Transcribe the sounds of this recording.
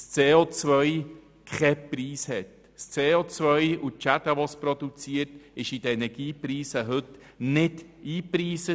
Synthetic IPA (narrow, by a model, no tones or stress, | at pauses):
st͡seːot͡svœʏ | kχɛpriːshɛt | st͡seːot͡svœʏut͡ʃadaʋɔsprɔd̪ut͡siəɾtɪʃidəɛnɛɡ̥iːpriːsəɦɵt | nɪdiːpriːsə